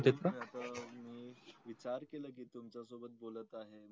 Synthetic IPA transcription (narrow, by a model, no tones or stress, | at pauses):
t̪et̪ɾaat̪amiːʋit͡ɕaɾkeləːkiːt̪umt͡ɕasobət̪̚bolət̪aɦe